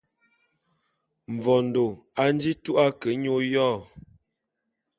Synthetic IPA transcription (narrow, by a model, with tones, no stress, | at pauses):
ɱ̩˨vɔ˨n̩˨do˨a˦n̩˦d͡ʒi˦tu˦ʔa˦kə˨˦ɲo˦jɔː˦˨